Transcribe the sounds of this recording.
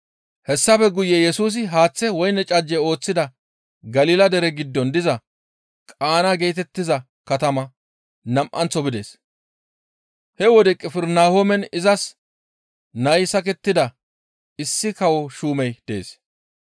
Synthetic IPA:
hɛsːɐbɛɡʊjːɛjɛsuːs̬ɪɦaːt͡sːɛwɔjnːɛt͡ʃʼɐd͡ʒːɛo̞ːt͡sːɪd̪ɐ | ɡɐliːlɐd̪ɛɾɛɡɪd̪ːɔnd̪ɪzɐ | kʼaːnɐɡe̞jt̪ɛt̪ːɪzɐ | kɐt̪ɐmɐ | nɐmʔɐnt͡sːɔbɪd̪eːs | hɛwɔd̪ɛkʼɪfɪɾnaːhomɛnɪzɐs | nɐjsɐkɛt̪ːɪd̪ɐ | ɪsːɪkɐwɔʃuːmɛjd̪̥ḛːs

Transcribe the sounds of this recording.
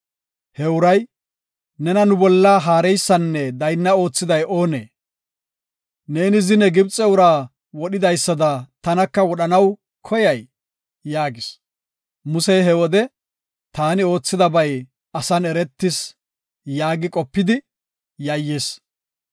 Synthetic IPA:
hɛʊɾɐj | nɛnɐnʊbɔlːaɦaːɾɛjsːɐnːɛd̪ɐjnːɐo̞ːt͡sːɪd̪ɐjʔo̞ːnḛː | ne̞ːnɪzɪnɛɡɪbt͡sʼːɛʊɾaː | wɔɗɪd̪ɐjsːɐd̪ɐt̪ɐnɐkːɐwɔɗɐnɐw | kʰɔjɐj | jaːɡɪs | mʊsɛjɦɛwɔd̪ɛ | t̪aːnɪo̞ːt͡sːɪd̪ɐbɐj | ɐsɐnɛɾɛt̪ːɪs | jaːɡɪkʼɔpːɪd̪ɪ | jɐjːeːs

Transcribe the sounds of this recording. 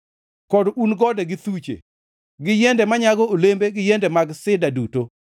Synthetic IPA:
kɔdunɡɔdɛɡɪt̪ut͡ʃḛ | ɡɪjɛndɛmaɲaɡɔolembeɡɪjɛndɛmaɡsɪdaduto

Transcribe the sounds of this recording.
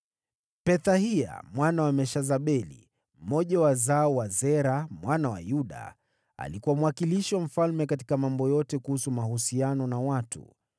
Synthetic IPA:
pɛθahia̰mwanawamɛʃazaɓɛlḭ | m̩mɔʄawazaɔwazɛɾamwanawa̰juɗa̰ | a̰likuwamuwakiliʃiwam̩falmɛkati̥kamambɔjɔtɛkuhusumahusianɔnawatṵ

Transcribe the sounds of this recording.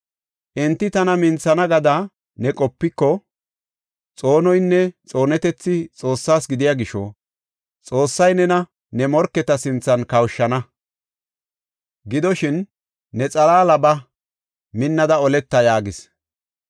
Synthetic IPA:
ʔɪnt̪ːɪt̪ɐnɐmɪnt͡sːɐnɐɡɐd̪ɐ | nɛkʼɔpːɪkːɔ | t͡sʼo̞ːnɔjnːɛt͡sʼo̞ːnɛt̪ɛt͡sːɪt͡sʼo̞ːsːaːsɡɪd̪ɪjaːɡɪʃɔ̰ | t͡sʼo̞ːsːɐjnɛnɐ | nɛmɔɾkːɛt̪ɐsɪnt͡sːɐnkɐwʃːɐnɐ | ɡɪd̪ɔʃɪnː | ɛt͡sʼɐlaːlɐbɐ | mɪnːɐd̪ɐɔlɛt̪ːɐjaːɡɪs

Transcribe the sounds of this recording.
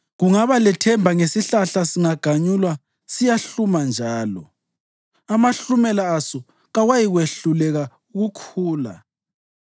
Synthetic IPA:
ɣuŋaβalɛtʰɛmbʱaŋesiɬaɬasiŋaɡ̥ʱaɲulwa | sijaɬumand͡ʒʱaːlɔ̰ | amaɬumɛlaːsɔ | ɣawajiɣweɬulɛɣa | uɣukʰuːla̰

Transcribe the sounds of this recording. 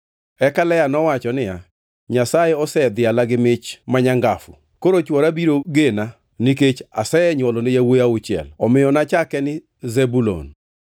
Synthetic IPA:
ɛkalɛjanɔwat͡ʃɔnɪja | ɲasajeɔsɛd̪ɪalaɡɪmɪt͡ʃmaɲaŋɡafʊ̰ | koɾot͡ʃwɔɾabiɾoɡena | niket͡ʃa̰sɛɛɲwɔlonɪjawejaʊt͡ʃɪɛ̰lɔmɪjɔnat͡ʃakɛnɪ | zɛbulo̰n

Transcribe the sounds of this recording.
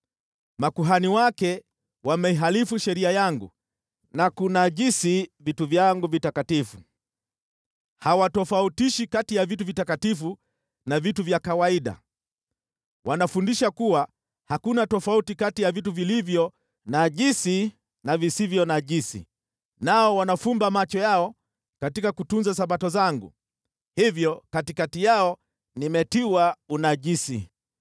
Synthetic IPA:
makuɦaniwakɛ | wamɛiɦalifuʃɛɾiajaŋɡṵ | nakunaʄisivituvjaŋɡuvitakatifu | hawatɔfautiʃikatijavituvitakatifu | navituvjakawaiɗa̰ | wʔanafundiʃakuwa | hakunatɔfautikatijavituvilivjɔ | naʄisi | navisivjɔnaʄisḭ | naɔwanafumbamat͡ʃɔjaɔ | katikakutunzasaɓatɔzaŋɡṵ | hivjɔkatikatijaɔ | nimɛtiwaunaʄisḭ

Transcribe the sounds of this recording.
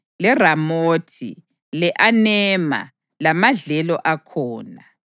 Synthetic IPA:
lɛramoːtʰḭ | lɛʔanɛma̰ | lamaɮɛlɔʔakʰɔːna

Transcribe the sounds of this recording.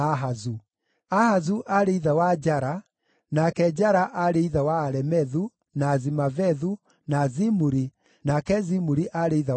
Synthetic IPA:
aɦazu | ahazuʔaɾeiðawad͡ʒaɾa | nakɛd͡ʑaɾaʔaɾeiðawaːɾɛmɛðu | nazimavɛðu | nazimuɾi | nakɛzimuɾiʔaɾeiða

